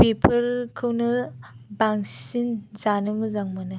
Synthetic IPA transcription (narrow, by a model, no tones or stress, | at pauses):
pepʰɯɾkʰɯwnɯbaŋsinzanɯmɯzaŋmanɯ